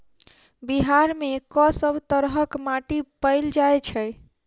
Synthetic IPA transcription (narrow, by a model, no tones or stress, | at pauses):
biɦaɾmekɔsəbʱt̪əɾɦəkmaʈipəɪld͡ʒaejt͡ʃʰə